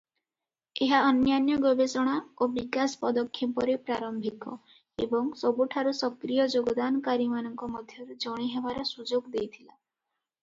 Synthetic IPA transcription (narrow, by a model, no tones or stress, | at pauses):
eɦaɔnjanjɔɡwɔbesɔɽ̃aobikasɔ̥pɔd̪ɔkʰjɔpɔɾepɾaɾɔmbʱikɔ̰ | ḛbɔŋsɔbuʈʰaɾusɔkɾijɔd͡ʒoɡɔd̪anɔkaɾimanɔŋkɔmɔd̪ʱjɔɾud͡ʒɔɽ̃iɦebaɾɔsud͡ʒoɡd̪ejt̪ʰila